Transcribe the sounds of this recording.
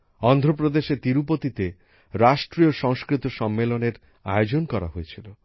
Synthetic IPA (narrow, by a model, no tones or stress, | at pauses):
ɔnd̪ʱɾopɾod̪eʃet̪iɾupot̪it̪e | ɾaʃʈɾioʃɔŋskɾit̪oʃɔmːeloneɾ | a̰jod͡ʑonkɔɾa̰ɦojet͡ɕʰilo